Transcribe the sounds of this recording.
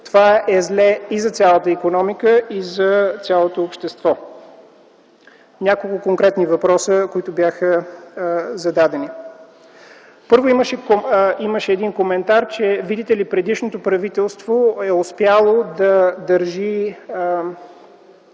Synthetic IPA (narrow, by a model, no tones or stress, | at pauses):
t̪ovaɛzlɛizɐt̪sʲjalˠət̪əikonɔmikəizɐt̪sʲjalˠot̪oːpʃt̪ɛst̪vɔ | nʲakolˠkʊkoŋkɾɛt̪nivɐpɾɔsəkoit̪ʊbjaxə | zɐd̪ad̪ɛni | pɤɾvoiməʃɛiməʃɛːd̪inkomɛnt̪aɾt͡ʃɛvid̪it̪ɛlipɾɛd̪iʃnot̪opɾɐvit̪ɛlˠst̪voɛospjalˠod̪ɐd̪əɾʒi